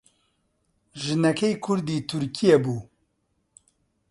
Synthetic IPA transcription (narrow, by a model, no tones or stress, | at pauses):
ʒɨnɛkʰejkʰʊɾd̪iːt̪ʰuɾkʰijɛbuː